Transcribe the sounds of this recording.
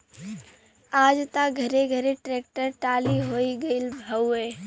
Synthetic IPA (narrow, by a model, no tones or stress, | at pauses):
aːd͡ʒt̪aɡʱɐɾeɡʱɐɾeʈɾeːkʈəɾʈaːliɦoːiɡɐilbʱəweː